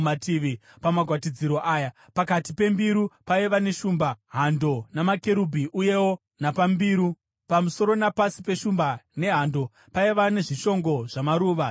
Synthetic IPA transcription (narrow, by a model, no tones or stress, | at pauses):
atiʋi | pamaɡʱwatid͡ziɾo̞ʔaːja | pakatipe̞mbiɾupaiʋane̞ʃuːmbaɦando̞namake̞ɾubʱiʔuje̞wo̞ | napambiːɾu | pamuso̞ɾo̞napasipe̞ʃumbane̞ɦando̞ | paiʋane̞ʐiʃo̞ŋɡo̞ʐ̥amaɾuːʋa